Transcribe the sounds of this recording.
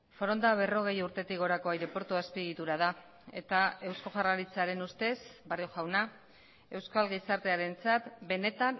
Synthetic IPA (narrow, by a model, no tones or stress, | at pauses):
foɾo̞nd̪aβ̞e̞ro̞ɣ̞e̞juɾt̪e̞t̪ikɣo̞ɾako̞ajɾe̞po̞ɾt̪uaspiɣit̪uɾaða | e̞̰t̪ae̞wsko̞ʝaraɾit͡saɾe̞nust̪e̞sbarioʝawna | e̞wskalɣisaɾt̪e̞aɾe̞nt͡sat̪be̞ne̞t̪an